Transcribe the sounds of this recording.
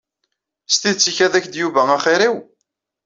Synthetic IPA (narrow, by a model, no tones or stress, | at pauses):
st̪iðt͡sːiçæðæçd̪juvææχɪɾiw